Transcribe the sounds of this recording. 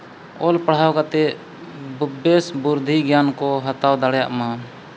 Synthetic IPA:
ɔlpəɽ̤awkat̪ɛ | bubesbuɾd̪ʱiɡjankɔɦət̪awd̪aɽja̰ʔmã

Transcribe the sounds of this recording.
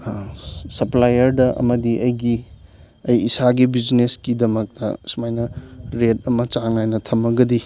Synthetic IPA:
sɐplajɐɾdɐʔɐ̰mɐdiʔɐjɡi | ɐjːsaɡibid͡ʒneskidɐmɐk̚tɐ̰sumajnɐɾet̚ɐmɐt͡ʃaŋajnɐtʰɐmɐɡɐdi

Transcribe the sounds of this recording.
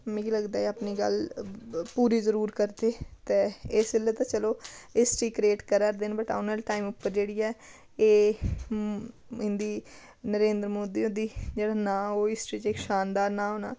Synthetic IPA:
mɛ̃ːkiləɡd̪aːiaːpniːɡə̰l | puːɾiːzəɾuːɾkəɾd̪eːt̪eːɪsɪlːət̪ãːt͡ʃəloːɪsʈiːkɾeːʈkəɾəɾd̪enbəʈa̰ːnəlʈaːiːmʊpːəɾd͡ʒeːɽiːɛː | eː | ɦɪ̃nd̪iː | nəɾẽːnd̪ɾəmoːd̪iːõːd̪iːd͡ʒeːɽaːnãːoːɪsʈɾiːt͡ʃɪkʃaːnd̪aːɾnãːɦoːna̰ː

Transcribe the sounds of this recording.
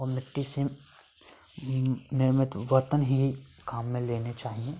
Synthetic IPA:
ɔɾmɪʈːisim | nɪɾmɪt̪ʋət̪ənɦi | kaːmːẽleːnet͡ʃaːɦiẽː

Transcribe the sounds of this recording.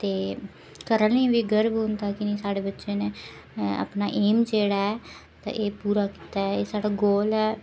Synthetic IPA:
t̪eː | kəɾəlĩːʋiːɡəɾbɦʊ̃nd̪aːkɪniːsaːɽeːbətːʃeːneː | a̰pnaːʔeːmt͡ʃeːɽaːɛː | t̪ã̰ːʔeːpuːɾaːki̥ːt̪aːɛeːsaːɽaːɡoːlɛː

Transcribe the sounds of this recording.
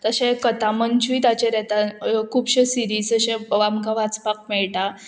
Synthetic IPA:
t̪əɕẽkət̪amənt͡ɕujt̪at͡ɕeɾɛt̪ãkʰuːbɕesiɾiːsəɕẽʋamkãʋat͡spak̚mɛɭʈa

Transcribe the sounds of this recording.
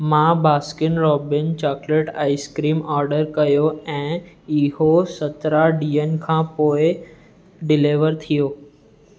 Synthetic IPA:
mãːbaːskɪnɾɔːbɪnt͡ɕɔːkleːʈaːɪskɾiːmɔːɾɖəɾkɐjoɛ̃ː | ɪɦosɐt̪ɾaɖiːən̆kʰãːpoːɪ | ɖɪleʋəɾt̪ʰijoː

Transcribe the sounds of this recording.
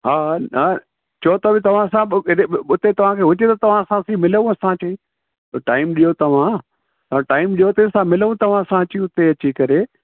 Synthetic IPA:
ɦaːɐ | t͡ɕʰot̪ɐbɪt̪ɐʋ̤ãsãɪeʊt̪et̪ɐʋ̤ãkʰeːɦʊd͡ʑet̪ɐt̪ɐʋ̤ãsãsimɪləʋũɐsãt͡ɕɐĩ | t̪oʈaːɪmɗijot̪ɐʋ̤ã | t̪ɐãʈaːɪmɗijot̪esãmɪləʋũt̪ɐʋ̤ãsãɐt͡ɕiũʊt̪eɐt͡ɕikɐɾe

